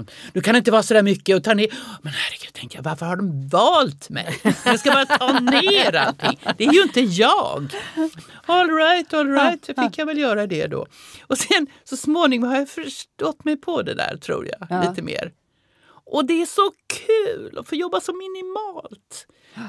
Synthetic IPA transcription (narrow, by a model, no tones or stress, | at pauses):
d̪̥ɵkʰanɪnt̪əvɑːɾsɔd̪æːɾmʏkːəɔt̪ʰɑːneːɾmɛnhæɾəɡ̥ʉ̟d̪̥̚t̪ʰɛŋk̪əjavaɾfəɾhaɖɔmvɑːlt̪mɛ̰jsjɑɡskabɑːɾat̪ʰɑːneːɾa̰lt̪ʰɪ̰ŋːd̪ɛæɾjɵɪnt̪əjɑːɡ | ɔlɾajt̪ɔlɾaɪt̪fɪkːjavɛljœːɾad̪ɛ̰d̪ɔ̰ɔsɛnsɔsmoːnɪŋɔmhaɾjafœʂʈɔt̪ːmɛjpʰɔd̪ɛ̰d̪æ̰ːɾʈ̪ʰɾṵːɾjɑ̰liːt̪əmḛːɾ | ʔɔd̪ɛæʂɔkʰʉ̟ːlʔɔ̰foːjɔbːasɔmɪnɪmɑːlt̪